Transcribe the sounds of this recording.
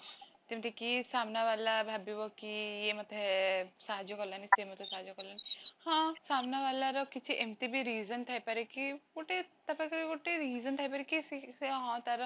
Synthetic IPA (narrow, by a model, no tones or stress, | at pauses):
t̪emit̪ʰekisaːmnaʋalabʱabibɔkijemɐt̪ʰesaɦad͡ʒjɔkɔɾlanisemɔt̪ʰesaɦad͡ʒjɔkɔɾlanihãsaːmnaʋaːlaɾɔkit͡ʃʰiʔemt̪ebʱiɾiːzənt̪ʰajpɐɾekikoʈet̪ɐpakɾkoʈeɾiːzənt̪ʰajpaɾekisiɦɔ̃t̪aɾɔ